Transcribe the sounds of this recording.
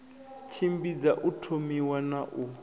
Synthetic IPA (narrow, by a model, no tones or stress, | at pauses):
t͡ʃʰimbid͡zaʔutʰomiwanaʔu